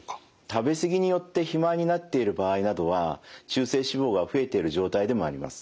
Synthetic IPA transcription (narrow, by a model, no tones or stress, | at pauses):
t̪abe̞sɨɡʲiɲ̟ijo̞t̪ːe̞çimaɲ̟inat̪ːe̞iɾɯ̟baːinad̪o̞β̞at͡ɕɨːse̞ːɕibo̞ːɡaɸɯ̟e̞t̪e̞iɾɯ̟ʑo̞ːt̪aid̪e̞mo̞a̰ɾʲima̰sɨ̥